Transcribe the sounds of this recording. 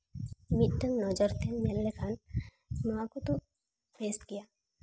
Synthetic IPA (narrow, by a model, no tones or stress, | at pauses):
mɪʈːənnɔːd͡ʒəɾt̪ʰemellekʰaːn | noakot̪o | ʋeːst̪kijaː